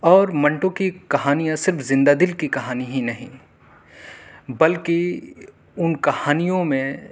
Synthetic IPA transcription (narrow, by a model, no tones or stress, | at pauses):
ɔːɾmɐ̃ɳʈõkikɐɦaːnijãsɪɾfzɪ̃nd̪aːd̪ɪlkikɐɦaːniɦinɐɦḭ̃ | bɐlki | ʊnkɐhaːnijõmẽ